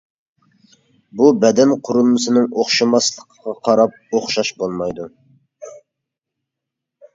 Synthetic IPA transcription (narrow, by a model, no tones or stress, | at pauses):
bubɛd̪ɛnqʰʊɾɨlˠmɨsɨnɨŋoχʃɨmɑslˠəqʰqɑqʰɑɾɑp̚oχʃɑʃbolˠmɑjd̪u